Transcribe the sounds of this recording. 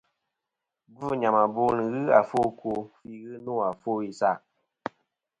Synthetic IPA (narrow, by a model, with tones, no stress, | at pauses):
ɡu˦ɲa˨ma˨bo˦nɨ˨ɣɨ˦a˨fo˦˨ko˧˨fi˦ɣɨ˦no˦˨a˨fo˦i˨sa˦˨ʔ